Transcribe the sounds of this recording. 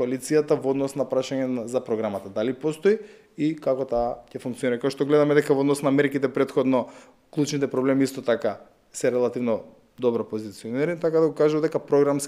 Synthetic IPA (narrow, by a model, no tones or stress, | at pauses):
koalit̪sijat̪avɔd̪nɔsnapɾaʃaɲɛzapɾɔɡɾamat̪ad̪alipɔst̪ɔi | ikakɔt̪aːcɛfuŋkt̪siɔniɾakakɛʃt̪ɔɡlɛd̪amɛd̪ɛkavood̪nɔsnamɛɾkit̪ɛpɾɛt̪xɔd̪nɔ | klˠut͡ʃnit̪ɛpɾɔblɛmiist̪ɔt̪aka | sɛɾɛlˠat̪ivnɔ | d̪ɔbɾapozit̪siɔniɾnit̪akad̪aɡɔkaʒuvad̪ɛkapɾɔɡɾams